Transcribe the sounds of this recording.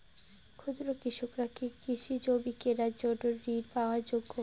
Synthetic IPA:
kʰudɾokɾiʃokɾakikiʃid͡ʑobikeɾad͡ʑoʈoɾːiɾpaoaɾd͡ʑoɡːo

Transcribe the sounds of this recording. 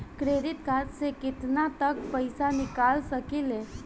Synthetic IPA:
kɾeːɾɪt̪kat̪sekɪt̪nat̪ək̚pəɪsanɪkaːlsəkɪlɦeː

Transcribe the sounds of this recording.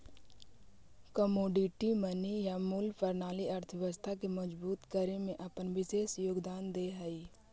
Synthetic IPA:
kəmoːɖiʈimənijamʊlpʰəɾnaːliɐɾt̪ʰəʋɪʋəst̪ʰakeməd͡ʒbuːt̪kəɾemẽʔɐpənʋɪʃeːʃjoːɡd̪aːnd̪eɦaiː

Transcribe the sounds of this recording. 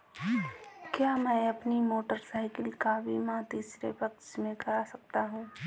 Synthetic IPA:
kjaːmɛ̃ːɐpnimoːʈəɾsaːɪkɪlkabʱimãt̪iːsɾḛpɐkʃmẽkɐɾasɐk̚t̪aɦũː

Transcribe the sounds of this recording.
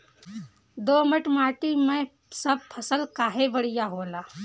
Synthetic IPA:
d̪oːməʈmaːʈimẽ | sɐb̚pʰɐsəlkaːɦebɐɽɪjaɦoːlaː

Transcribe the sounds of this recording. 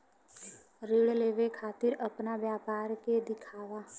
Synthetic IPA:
ɾɪɽleːʋekʰaːt̪ɪɾəpnaʋjaːpaːɾked̪ɪkʰaːʋaː

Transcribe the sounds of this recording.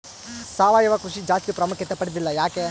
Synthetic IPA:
saːʋaːjɐʋɐkɾuʂid͡ʒaːst̪ipɾɐmukjɐt̪epɐɽid̪ilːɐjaːke

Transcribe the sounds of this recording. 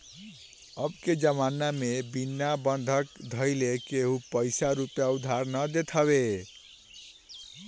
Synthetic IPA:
ʌbked͡ʒəmanamebinːabənd̪ʱəkd̪ʱʌjlekeɦupəjsaɾupjaud̪ʱaɾnʌd̪et̪ʰəβe

